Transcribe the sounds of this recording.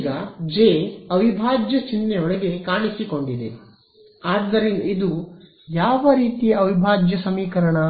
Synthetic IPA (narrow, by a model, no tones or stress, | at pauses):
ɡɐd͡ʒeːɐʋibʱaːd͡ʒjɐt͡ʃinːeoɭeɡe̞kaːɳisiko̞ɳɖid̪e | aːd̪ːɐɾinid̪u | jaːʋɐɾiːt̪ijɐɐʋibʱaːd͡ʒjɐsɐmiːkɐɾɐɳɐ